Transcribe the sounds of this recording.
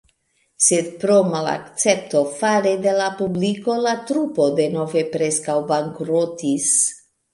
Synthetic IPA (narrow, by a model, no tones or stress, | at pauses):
sed̪̚pɾo̞mala̰kt͡se̞p̚to̞faɾe̞de̞lapubliko̞latɾupo̞de̞no̞ve̞pɾe̞skawbaŋkɾotis